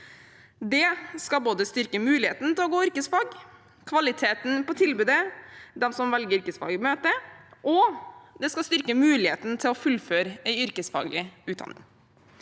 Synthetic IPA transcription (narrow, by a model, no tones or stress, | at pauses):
d̪ɛskɑboːd̪əst̪ʏɾkəmʉːlɪhḛːt̪nt̪ɪlɔːɡoːʏɾkəsfɑːɡ | kʰʋɑlɪt̪ʰeːt̪n̩pɔt̪ʰɪlbʉːd̪əd̪ɛmsɔmʋɛlɡəɾʏɾkəsfɑ̰ːɡmøːt̪əʔɔd̪ɛskɑst̪ʏɾkəmʉːlɪhḛːt̪nt̪ʰɪlɔfʉlføːɾəæɪʏɾkəsfɑ̰ːɡlɪʉːd̪ɑ̰nːɪ̰ŋ